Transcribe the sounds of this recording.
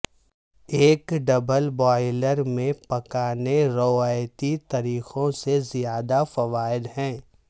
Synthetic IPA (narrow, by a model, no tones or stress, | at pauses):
eːkɖɐbəlbɔːɪləɾmẽpɐkaːneɾoaːjt̪it̪ɐɾiːxõsezijaːd̪afɐʋaːɪd̪ɦɛ̃ː